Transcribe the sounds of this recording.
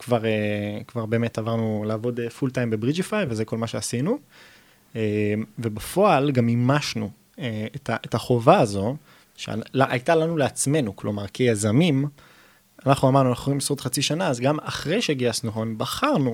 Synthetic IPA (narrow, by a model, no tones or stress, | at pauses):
kvaʁekvaʁbe̞ːme̞tavaʁnulaːvo̞defultajmbe̞bʁid͡ʒifajvezeko̞lmaʃeasinu | emve̞bafo̞alɡamimaʃnu | eetʰaʔetaχo̞vaːzo̞ | ʃea̰laʔajtalanuleat͡sme̞nuklo̞maʁkʰejazamim | anaχnuamaʁnualaχoimsʁot̪χat͡siʃanaazɡama̰χʁe̞jʃeɡiasnuχonbaχaʁnu